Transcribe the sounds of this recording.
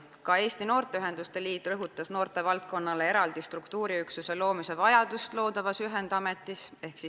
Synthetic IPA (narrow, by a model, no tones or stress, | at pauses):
kɑe̞ːst̪ino̞ːrt̪eyɦe̞nd̪̥ust̪e̞liːt̪rɤɦut̪ːˑɑsno̞ːrt̪ˑe̞vɑlt̪̚ko̞nːɑle̞e̞ɾɑld̪̥ist̪rukt̪uːɾiyksuse̞lo̞ːmise̞vɑjɑd̪̥ust̪lo̞ːd̪ɑvɑsyɦe̞nd̪̥ɑme̞t̪ːˑise̞hksi